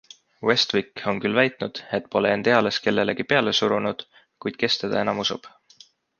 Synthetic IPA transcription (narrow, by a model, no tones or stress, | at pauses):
we̞st̪viko̞nkylːvæjt̪ˑnud̪̥e̞t̪ːˑpo̞leend̪e̞ɑle̞ske̞lːe̞leɡipe̞ɑle̞suɾunud̪̥ | kujd̪̥ke̞st̪e̞d̪̥ɑ̰e̞nɑmusṵb̥